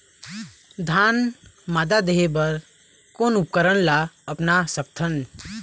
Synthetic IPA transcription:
d̪ʱaːnmaːd̪ad̪eɦebəɾ | koːnʊpkəɾənlaəpnasəkt̪ʰən

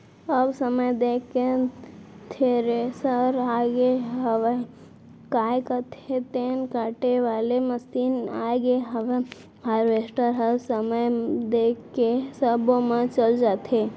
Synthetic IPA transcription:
əbsəməjd̪ekːe | t̪ʰeɾesəɾaɡeɦəʋe | kajkət̪ʰet̪enkaʈeʋaleməsina̰ɡeɦəʋe | aɾʋesʈəɾɦəbsəməjd̪ekːesəbomet͡ʃəld͡ʒat̪ʰe

